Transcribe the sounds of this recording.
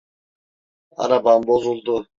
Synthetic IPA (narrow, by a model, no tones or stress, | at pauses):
a̰ɾabanbo̞zulˠd̪u